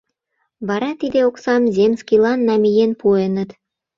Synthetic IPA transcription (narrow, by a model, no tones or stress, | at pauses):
βɑɾɑt̪id̪eoksɑmzemskilɑnːɑmijenpuenət̪